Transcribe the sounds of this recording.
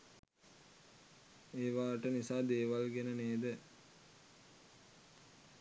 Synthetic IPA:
eːʋaːʈənisaːd̪eːʋalɡenəneːd̪ə

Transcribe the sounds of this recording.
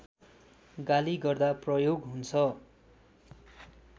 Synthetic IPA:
ɡaliɡʌrd̪aprʌjoɡɦunt͡sʰʌ

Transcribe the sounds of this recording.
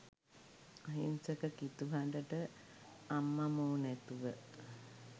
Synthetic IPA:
aɦinsəkəkit̪uɦandəʈə | amːamoːnæt̪uʋə

